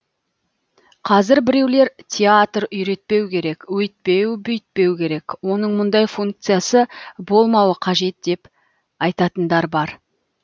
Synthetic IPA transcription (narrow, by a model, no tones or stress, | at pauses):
qʰɑzɪɾbɪɾe̞wle̞ɾtʲʰeat̪ɾʏjɾe̞t̪̚pe̞wkʲʰe̞ɾe̞kwɵjt̪̚pe̞wbʏjt̪̚pe̞wkʲʰe̞ɾe̞kwo̞nəɴmʊnd̪ɑjfuŋk̚t̪sɨjasəbo̞lˠmɑwəqʰɑʒe̞t̪̚d̪̥e̞p | ɑjt̪ɑt̪ənd̪ɑɾbɑɾ